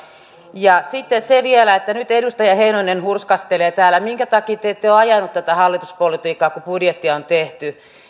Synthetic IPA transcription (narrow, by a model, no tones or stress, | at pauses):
jɑsit̪ːeseʋielæet̪ːænyt̪edust̪ɑjɑheinoinenhurskɑst̪eleːt̪æːlːæmiŋkæt̪ɑkiːt̪et̪ːeoɑjɑnut̪t̪ːæt̪æhɑlːit̪uspolit̪iːkːˑɑːkupudjet̪ːiɑont̪eht̪y